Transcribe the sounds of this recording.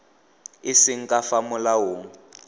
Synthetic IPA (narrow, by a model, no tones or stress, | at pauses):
ɪsɪŋ̩kʼafamʊlaɦoːŋ̩